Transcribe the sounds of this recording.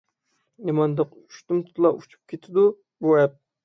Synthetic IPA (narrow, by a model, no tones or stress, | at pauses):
nemɑnd̪ɑq | yʃt̪umt̪ʰt̪ʰlˠɑut͡ʃʰu̥p̚kʲʰet̪ʰɪd̪u | buɛp̚